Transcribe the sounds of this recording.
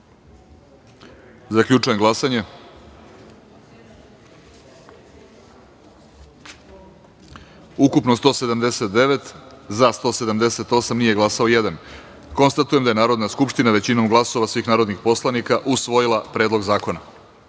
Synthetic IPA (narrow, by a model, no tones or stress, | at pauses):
zakʎʲut͡ʂuje̞mɡlˠasaɲe̞ | ukupno̞st̪o̞ːse̞d̪amd̪e̞se̞t̪̚d̪e̞ʋe̞t̪zast̪o̞ːse̞d̪amd̪e̞se̞t̪o̞samnije̞ɡlˠasao̞je̞d̪an | ko̞nst̪at̪ujemd̪aje̞naːɾo̞d̪naskupʃt̪inaʋe̞t͡ɕino̞mɡlˠaso̞ʋasʋiːxnaːɾo̞d̪nixpo̞slˠanikaʔusʋo̞jilˠapɾeːd̪lˠo̞ɡzaːko̞na̰